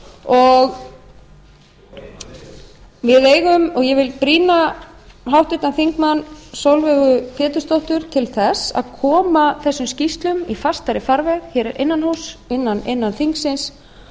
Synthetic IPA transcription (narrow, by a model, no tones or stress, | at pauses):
ɔɣ | vɪðeːjɣʏmɔɣjɛvɪlpɾiːnaɦawht̪ʏht̪anθiŋkmanːsowlvɛɣʏfɛːt̪ʏst̪owht̪ʏɾ̥t̪ʰɪlθɛsa̰ðkʰɔːmaθɛsːʏmscist̪lʏmifast̪aɾɪfaɾvɛɣçɛːɾɛɾʔɪnːanɦhusɪnːanɪnːanθiŋksɪns